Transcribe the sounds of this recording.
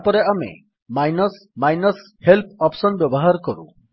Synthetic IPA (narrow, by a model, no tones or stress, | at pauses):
pɔɾeamḛ | majnɔs | majnɔs | helpʰɔpsɔnbjɔbɔɦaɾɔkɔɾṵ̃